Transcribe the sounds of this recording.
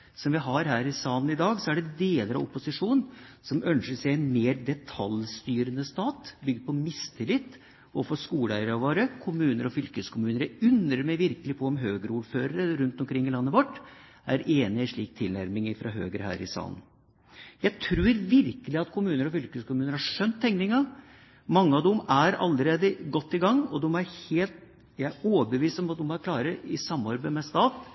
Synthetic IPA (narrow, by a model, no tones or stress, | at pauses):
sɔmʋɪɦɑɾhæːɾɪsɑːlnɪd̪ɑːɡsɔæɖɛd̪eːləɾɑ̰ʋʊ̰pːʊsɪʂuːnnsɔmʔœnʂəʂæɪɛnmeːɾd̪ɛt̪ʰɑlst̪yːɾənəst̪ɑːt̪bʏɡd̪̚pʰɔmɪst̪ʰɪlɪt̪ː | ɔfɔʂkuːlæɪəɾʋoːɾəkʰʊmʉːnəɾɔfʏlkəskʰʊmʉːnəɾæʉnɾəɾmɛɪʋɪɾkəlɪpʰɔɔmɦøːɡəɾuːɾføːɾəɾəɾʉnt̪ɔmkʰɾɪŋːɪlɑnːəʋɔʈː | æɾeːnɪɪʂɭiːk̚t̪ʰɪlnæɾmɪŋɪfɾɑ̰ɦø̰ːɡəɾəhæ̰ːɾɪ̰sɑ̰ːlən̩ | jæɪt̪ʰɾʉːɾʋɪɾkəlɪɑt̪kʰʊmʉːnəɾɔfʏlkəskʰʊmʉːnəɾhɑʂœnt̪ʰːɛŋnɪŋɑ | mɑŋːəɑʋd̪ɔmæɾɑ̰lːəɾeːd̪əɡɔt̪ːɪɡɑŋːɔd̪ɔmæɾheːlt̪̚ | jæoːbəʋiːst̪ɔmɑt̪̚d̪ɔmɔæɾkʰlɑːɾəɪsɑmːɑɾbəmɛst̪ɑːt̪